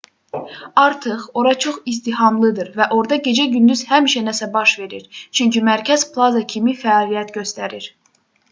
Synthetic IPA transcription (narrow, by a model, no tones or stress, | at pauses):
ɑɾt̪ʰɯχo̞ɾɑt͡ʃʰo̞χist̪iɦɑmlˠɯd̪ɯɾvæʔo̞ɾd̪ɑɟe̞d͡ʒæɟynd̪yzhæmiʃænæsæbɑʃve̞ɾiɾt͡ʃʰyɲcimæɾcʰæz̥pʰlˠɑzɑcʰimifæːlˠijæt̪ɟø̞st̪æɾiɾ